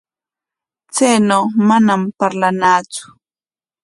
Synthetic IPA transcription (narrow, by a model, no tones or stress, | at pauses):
t͡sajnawmanampaɾlanaːt͡sʊ̥